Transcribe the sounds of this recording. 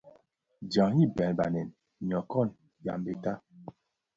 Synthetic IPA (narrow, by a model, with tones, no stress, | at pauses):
d͡ʒa˨ŋji˦˨bɛ˨n˨ba̰˨nɛ˨n | ɲɔ˨kɔ˦˨n | ja̰˨mbe˨ta˦